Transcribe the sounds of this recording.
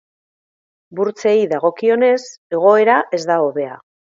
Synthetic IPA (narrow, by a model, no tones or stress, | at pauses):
buɾt͡se̞iðaɣ̞o̞kio̞ne̞s | e̞ɣ̞o̞e̞ɾaʔe̞zd̪aoβe̞a̰